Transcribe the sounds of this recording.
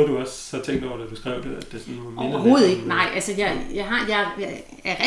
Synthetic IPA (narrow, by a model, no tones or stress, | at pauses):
duɒ̽sːɒ̽t͡sʰeŋ̰ɡd̥ɒʊ̰ɐd̥æd̥usɡ̥ʁɛ̰ʊ̰d̥eæd̥esɒnʋɑmɒḛɦo̝ːð̞̩ˠe̝ɡ̥nɑ̈ɪ̰ʔælsəjɑ̈jɑ̈ɦɑ̈jɑ̈ɪ | æɐʁ